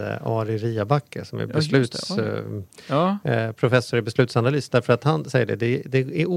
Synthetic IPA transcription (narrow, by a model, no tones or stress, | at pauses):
ɑ̰ːɾɪɾiːabakʰːə̰sɔmæ̰ɾbɛslʉ̟ːtt̪s | pʰɾʊfɛsːʊɾɛbɛslʉ̟t̪sanalyːsd̪æɾfœɾat̪hansɛjːəɖɛ̰d̪ɛd̪ɛæ